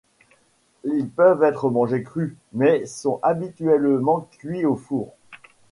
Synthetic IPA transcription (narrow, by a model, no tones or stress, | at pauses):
ilpœvɛt̪χəmɑ̃ʒekχy | mɛsɔ̃ʔabit̪ɥɛlmɑ̃kʲɥiofuːʁ